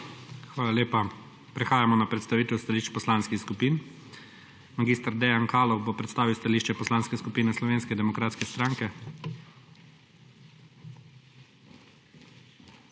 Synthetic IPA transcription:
xʋaːlaleːpa | pɾɛxaːjamɔnapɾɛt̪st̪aʋiːt̪ɛwst̪aliːʃt͡ʃpɔslanskixskupiːn | maɡiːst̪aɾd̪ɛjankaːlɔwbopɾɛt̪st̪aːʋiwst̪aliːʃt͡ʃɛpɔslaːnskɛskupiːnɛslɔʋeːnskɛd̪ɛmɔkɾaːt̪skɛst̪ɾaŋkɛ

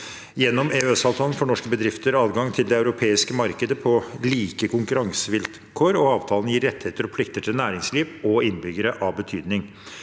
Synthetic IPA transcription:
jɛnːɔmeœsɑːʋt̪ʰɑːlənfɔɳɔʂkəbəd̪ɾɪft̪əɾɑːd̪ɡɑŋt̪ʰɪld̪ɛɑʉɾʊpʰeːɪskəmɑɾkəd̪əpʰɔliːkəkʰʊŋkʉɾɑŋsəʋɪl | kʰoːɾɔɑːʋt̪ʰɑːlnjiːɾɛt̪ːheːt̪əɾɔpʰlɪk̚t̪əʈʰɪlnæːɾɪŋsliːʋɔɪnbʏɡəɾəʔɑʋbət̪ʰyːd̪nɪŋ

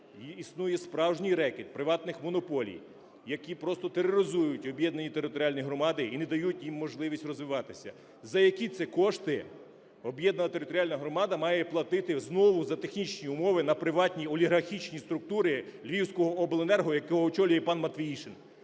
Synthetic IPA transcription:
jiisnujɛspɾɑwʒnʲijɾɛkʲɪt̪̚pɾɪʋɑt̪nɪxmɔnɔpɔlʲḭj | jɐkʲipɾɔst̪ɔt̪eɾeɾʲɪzujʊtʲɔbjɛd̪nɐnʲit̪eɾɪt̪ɔɾʲɑlʲnʲijɦɾɔmɑd̪ɪinɛd̪ɐjutʲjimːɔʒlˠɪʋʲisʲtʲrɔzʋɪʋɑt̪ɪsʲɐ̰ | zɐjɐkʲit̪sɛkɔʃt̪ɪ | ɔbjɛd̪nɐnɐt̪eɾɪt̪ɔɾʲɪɑlʲnɐɦɾɔmɑd̪ɐmɑjɛplˠɐt̪ɪt̪ɪznɔʋʊzɐt̪exnʲit͡ʃnʲiʊmɔʋɪnɐpɾɪʋɑtʲnʲiɔlʲiɦɐrxʲit͡ʃnʲist̪ɾʊk̚t̪uɾɪlʲʋʲiwsʲkɔɦɔɔblˠenɛrɦɔjɐkɔɦɔɔt͡ʃɔlʲjɛipɑnmɐt̪ʋʲijiʃɪn

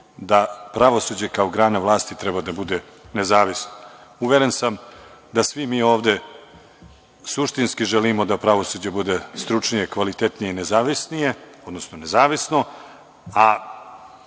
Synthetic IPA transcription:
d̪apɾaʋo̞sud͡ʑe̞kaoɡɾaːnaʋlˠaːst̪it̪ɾebad̪abud̪e̞ | nezaːʋisnouʋjeɾensamd̪asʋimiːo̞ːʋd̪e̞ | suʃt̪inskiʒelimo̞d̪apɾaʋo̞sud͡ʑe̞bud̪est̪ɾut͡ʂnijekʋalit̪et̪nijeinezaːʋisnije̞o̞d̪no̞snone̞zaːʋisno̞ | a

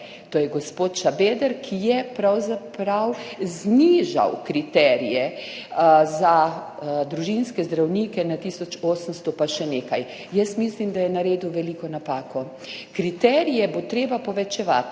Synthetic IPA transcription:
t̪oːjɛɡɔspot̪ʃabed̪ɛɾkʰijɛpɾawzapɾawzniʒa̰wkɾit̪ɛɾijɛ | za | d̪ɾuʒinskɛzd̪ɾawnikɛnat̪iːsɔt͡ʃoːsənst̪ɔpaʃɛneːkaj | jəsmislimd̪ajɛnaɾeːd̪uʋɛlikɔnapaːkɔ | kɾit̪ɛɾijɛbot̪ɾeːbapɔʋɛt͡ʃɛʋa̰t̪

